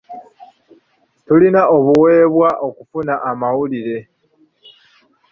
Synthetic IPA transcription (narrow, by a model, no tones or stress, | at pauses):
tulinao̞βuwe̞ːβwaʔo̞kufunaʔːmawuliɾe̞